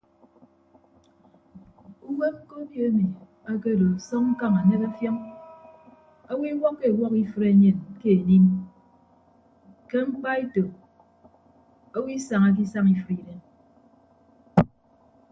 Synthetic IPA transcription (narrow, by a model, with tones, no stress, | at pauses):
u˦we˦ŋ͡m̩˦ko˦bjo˦e˦mi˨ | a˦ke˦˨do˨sɔ˦ŋŋ̩˦ka˦ŋa˨ne˦ka˦fjɔ˦ŋ | o˦wi˦wɔ˦kːe˦˨wɔ˦ki˦fɨ˦ɾe˦ɲe˨nke˦e˨ni˦m | ke˦ŋ͡m̩˦k͡pa˦e˦to˨ | o˦wi˦sa˨ŋa˦k̬i˦sa˦ŋi˦fɾi˨ɾe˨˦n